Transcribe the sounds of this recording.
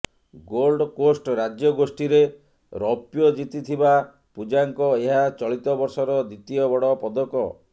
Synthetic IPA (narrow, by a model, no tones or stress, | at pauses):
ɡolɖkosʈɾad͡ʒjɔɡosʈiɾe | ɾɔpjɔd͡ʒit̪it̪ʰiba | pud͡ʒaŋkɔeɦat͡ʃɔɭit̪ɔbɔɾsɔɾɔd̪it̪iɔbɔɽɔpɔd̪ɔkɔ̰